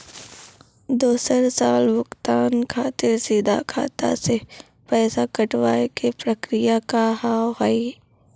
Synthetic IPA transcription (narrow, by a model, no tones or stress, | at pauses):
d̪uːsəɾsaːlbʊkt̪aːnkʰaːt̪ɪɾsɪd̪a̰kʰa̰ːt̪a̰se | pɛːsakɐʈʋaːekepɾəkɾɪjakahaːɦai